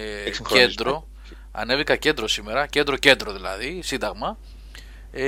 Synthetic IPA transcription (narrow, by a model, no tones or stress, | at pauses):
cend̪ɾo | ɐ̰ne̞vikɐce̞nd̪ɾo̞sime̞ɾɐcnd̪ɾo̞ce̞nd̪ɾo̞ðilɐ̰ðisind̪ɐɣmɐ